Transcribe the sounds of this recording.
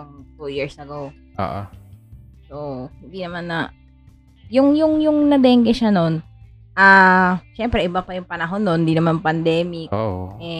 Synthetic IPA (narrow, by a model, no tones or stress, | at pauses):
t̪ujiɹsɐɡow | ʔo̰ːʔo̰ | sohɪnd̪inɐmanːɐ | jʊŋjʊŋjʊŋnɐd̪ɛŋɡɛʃano̞n | ʔaʃɛmpɾɛʔɪbapɐjʊŋpɐnɐɦo̞nːond̪inɐmanpɐnd̪ɛːmɪkoɛ